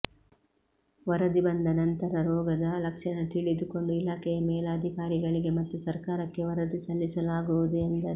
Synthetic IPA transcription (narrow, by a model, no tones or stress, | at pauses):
ʋɐɾɐd̪ibɐnd̪ɐnɐnt̪ɐɾɐɾɔːɡɐd̪ɐlɐkʂɐnɐt̪iɭid̪uko̞ɳɖuilaːkɛjɐmɛːlaːd̪ʱikaːɾiɡɐɭiɡe̞mɐt̪ːusɐɾkaːɾɐkːe̞ʋɐɾɐd̪isɐlːisɐlaːɡuʋud̪uend̪ɐɾe